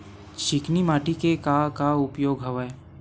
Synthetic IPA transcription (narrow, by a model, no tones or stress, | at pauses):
ʃɪknimaːʈikekakaʊpjoːɡɦɐʋəe